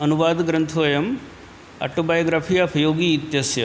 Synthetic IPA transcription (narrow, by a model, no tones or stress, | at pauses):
ɐnuʋaːd̪ɡɾɐnt̪ʰʋɐjɐm | a̰ʈobajoɡɾaːpʰijapʰjoːɡiːt̪jɐsjɐ